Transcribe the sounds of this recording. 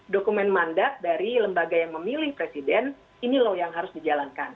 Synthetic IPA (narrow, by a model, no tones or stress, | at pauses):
dokumɛnmandat̪̚daɾiləmbaɡajaŋməmilɪhpɾesidɛn | inilojaŋɦaɾʊsdid͡ʒalankan